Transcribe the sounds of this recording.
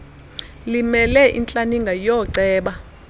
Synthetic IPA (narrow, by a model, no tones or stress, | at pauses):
limɛlɛʔḭnt͡ɬʼaniŋɡʱajɔːǀɛːɓa